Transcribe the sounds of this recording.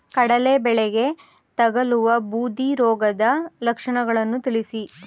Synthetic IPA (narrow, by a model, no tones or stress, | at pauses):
kɐɽɐlebɛɭeɡe̞ | t̪ɐɡɐluʋɐbuːd̪iɾɔːɡɐd̪ɐlɐkʂɐɳɐɡɐɭɐnːut̪iɭisi